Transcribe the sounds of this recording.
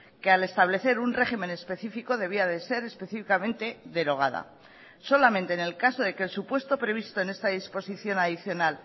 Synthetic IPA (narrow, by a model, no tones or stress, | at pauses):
ke̞ale̞st̪aβle̞θe̞ɾunre̞χimẽ̞ne̞spe̞θifiko̞ð̞e̞β̞iaðe̞se̞ɾe̞spe̞θifikamẽ̞nt̪e̞ðe̞ɾo̞ɣ̞a̰ð̞a̰ | so̞lamẽnt̪eːnelkaso̞ðe̞kelsupwe̞st̪o̞pɾe̞β̞ist̪o̞ene̞st̪aðispo̞siθjo̞naðiθjo̞nal